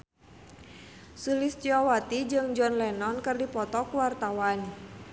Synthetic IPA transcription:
sulist͡ʃiɔwat̪id͡ʒɨŋd͡ʒɔnlɛnɔnkɨrdipɔt̪ɔkuwart̪awan

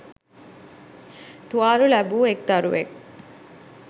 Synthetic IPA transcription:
t̪uaːɾulɐbuːek̚t̪ɐɾuʋḛk̚

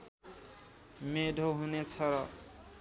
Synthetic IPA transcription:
med̪ʱoɦunet͡sʰʌɾʌ

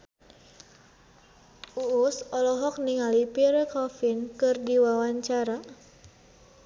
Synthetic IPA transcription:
uusɔlɔɦɔk̚niŋalipiɾɛkɔfinkɨrdiwawaɲt͡ʃaɾa

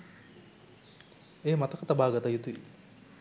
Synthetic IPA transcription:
eːmat̪ɐkɐt̪ɐbaːɡɐt̪ajut̪ui

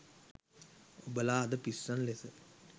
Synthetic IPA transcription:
obəlaːd̪əpisːanlesə

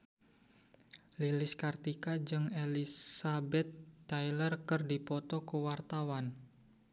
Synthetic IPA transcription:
lilɪskart̪ikad͡ʒɨŋelissabɛt̪ːajlərkɨrdipɔt̪ɔkəwart̪awan

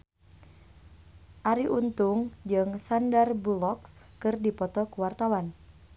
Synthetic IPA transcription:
ʔaɾiʔunt̪uŋd͡ʒɨŋsandarbulɔkskɨrdipɔt̪ɔkuwart̪awan

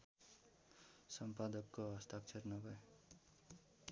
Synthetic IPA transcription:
sʌmpad̪ʌkːoʌst̪ak̚t͡sʰernʌbʌj

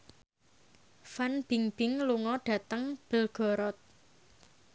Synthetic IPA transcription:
fanb̥iŋb̥ɪŋluŋɔɖ̥ä̤t̪əŋb̥ə̤lɡ̥ɔ̤ɾɔt̪̚

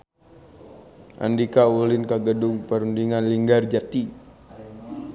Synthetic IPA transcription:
ʔa̰ndikaulɪnkaɡədʊŋpəɾundiŋanliŋɡard͡ʒat̪i

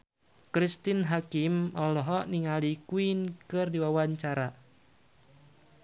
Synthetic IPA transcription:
kɾist̪inɦakimɔlɔɦɔniŋalikuinkɨrdiwawaɲt͡ʃaɾa

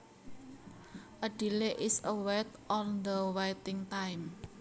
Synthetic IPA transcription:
ʔəɖ̥i̤leʔɪsəwɛt̪ʔɔnd̪əwajt̪ɪŋt̪ajm

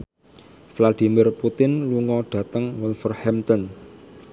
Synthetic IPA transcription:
flad̪̥i̤mɪrput̪ɪnluŋɔɖ̥ä̤t̪əŋwɔlfərhɛmt̪ɔn

